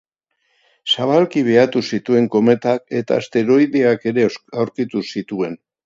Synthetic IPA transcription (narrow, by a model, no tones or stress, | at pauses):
saβ̞alkiβ̞e̞at̪usit̪ue̞ŋko̞me̞t̪ake̞t̪a̰ːst̪e̞ɾo̞jðeake̞ɾe̞awɾkit̪usit̪ue̞n